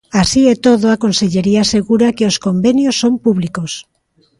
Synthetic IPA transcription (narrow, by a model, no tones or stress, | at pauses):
asiɛt̪oðoakonseʎeɾiaseɣuɾakeoskombenjosːompuβlikos